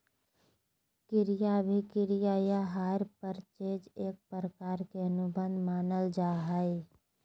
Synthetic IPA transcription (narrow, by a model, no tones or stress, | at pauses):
kɪɾijabʱikɪɾijajaɦaːɾpəɾt͡ʃeːd͡ʒeːk̚pɾəkaːɾkeənʊbə̃nd̪maːnəld͡ʒaːɦəe